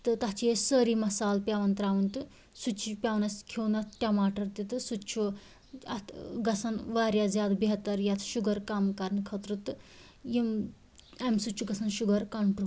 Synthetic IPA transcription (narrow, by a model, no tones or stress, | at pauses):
t̪ɨt̪ɐt͡ʃiesəɾimɐsaːlpʲjaːʋɐnt̪ɾaːʋɐnt̪ɨ | sut͡ʃʰipʲjaːʋnɐskʰewnɐt̪̚ʰʈʲamaːʈɐɾt̪it̪ɨsut͡ʃʰu | ɐt̪ɡɐsɐnʋaːɾjad͡zjad̪biɦt̪ɐɾjat̪ʰʃuɡɐɾkaːmkɐɾnkʰɐt̪ɾut̪ɨ | jim | emsut͡ʃʰuɡɐsɐnʃuɡɐɾkɐɳʈu